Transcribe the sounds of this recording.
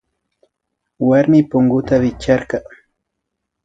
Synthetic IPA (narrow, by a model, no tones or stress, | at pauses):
waɾmɪpʊŋɡʊt̪aɾɪt͡ʃɑɾkɑ